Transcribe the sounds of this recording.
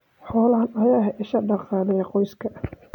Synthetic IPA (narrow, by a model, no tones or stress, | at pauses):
ħɔːlɐhɐnɐjaːɦɛʔɪʃɐɖɑqɑːlɪjɐqɔjskʰɐ